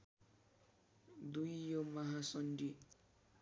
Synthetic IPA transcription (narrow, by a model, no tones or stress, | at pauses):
d̪ujːomʌɦasʌnɖi